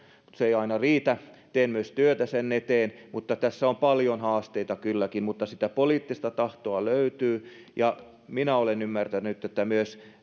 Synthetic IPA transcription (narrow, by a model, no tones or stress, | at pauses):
mut̪seeiɑinɑriːt̪æ | t̪eːnmyøst̪yøt̪æsenːet̪eːnmut̪ːɑt̪æsːæompɑljonhɑːst̪eit̪ɑkylːækimmut̪ːɑsit̪æpoliːt̪ːist̪ɑt̪ɑht̪oɑløyt̪yː | jɑ | minæolenymːært̪ænːˑyt̪ːˑet̪ːæmyøs